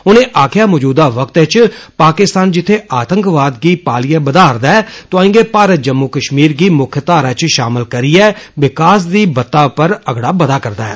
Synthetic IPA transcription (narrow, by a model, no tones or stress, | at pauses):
ʊnẽːʔaːkʰjaːmɔːd͡ʒuːd̪aːʋəkt̪ɪt͡ʃpaːkɪst̪aːnd͡ʒɪt̪ʰːeːʔaːt̪ə̃ŋkʋaːd̪ɡiːpaːlɪjaːbəd̪aːɾd̪aːɛːt̪ʊãːɪ̃ːɡeːpaːɾət̪̚d͡ʒəmːʊkəʃmiːɾɡiːmʊkʰjət̪aːɾaːt͡ʃʃaːmɪlkəɾiːɛːʋɪkaːs̬d̪iːbət̪ːaːpəɾəɡɽaːbəd̪aːkəɾd̪aːɛː